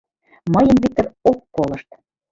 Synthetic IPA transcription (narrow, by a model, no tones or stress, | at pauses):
mɤjəmβit̪ːə̆rok̚polɤ̆ʃt̪